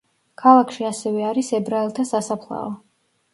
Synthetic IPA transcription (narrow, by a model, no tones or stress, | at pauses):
kʰalˠakʰʃiasɛvɛaɾisɛbɾaɛlˠt̪ʰasasapʰlˠa̰ɔ